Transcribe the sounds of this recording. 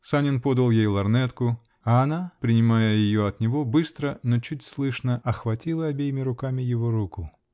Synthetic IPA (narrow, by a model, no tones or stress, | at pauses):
sanʲɪnpo̞d̪əlˠjejlˠɐrnɛt̪kʊ | ɐːnapɾʲɪnʲɪmajəjɪjo̞ɐt̪nʲɪvo̞bɨst̪ɾənot͡ɕut̚ʲslˠɨʂnəʔɐxvɐtʲilˠəɐbʲejɪmʲɪɾʊkamʲɪjɪvo̞ɾukʊ